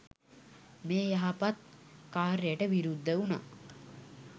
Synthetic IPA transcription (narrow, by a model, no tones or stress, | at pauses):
meːjaɦapat̪̚kaːɾəjəʈəʋiɾud̪ːəuna̰ː